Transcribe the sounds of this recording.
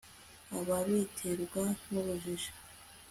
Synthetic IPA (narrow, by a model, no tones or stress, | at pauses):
aβaβitʰeɾɡanuβuʒiʒḁ